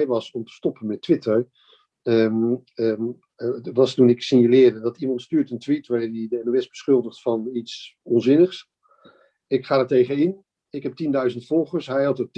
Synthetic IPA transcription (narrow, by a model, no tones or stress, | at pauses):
jʋɑsɔmtə̥stɔpənmɛtʋɪtəɹ | ə | ʋɑstunɪksɪnjəlɪədəndɑtimɑntstyːɹtəntʋitʋaɹɪːdidəɛnuɛsbəsχɵlˠdəχtfɑnitsɔnzɪnəχs | ɪkχaːdaɹtejχənɪn | ɪkɦɛp̚tindœɥzəntfɔlˠχəɹsɦɛjɦɑtət